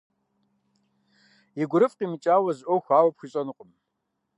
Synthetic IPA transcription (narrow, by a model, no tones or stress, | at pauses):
iɡʷʊɾɨfʼqimɨt͡ʃʼaːwɐzʔowxʷaːwɐpxʷiɕʼɐnɨqʷʼəm